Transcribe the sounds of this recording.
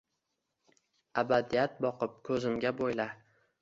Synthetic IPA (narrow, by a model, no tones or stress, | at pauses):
abad̪ijat̪̚bɒqɨp̚kʰɵzɪmɡʲabojla